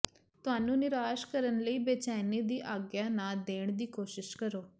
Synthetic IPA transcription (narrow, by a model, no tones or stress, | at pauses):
t̪ʊɦaːnũːnɪɾaːʃkəɾənləiːbeːt͡ʃaːniːd̪iːʔaːɡjaːnaːd̪eːɳd̪iːkoːʃɪʃkəɾoː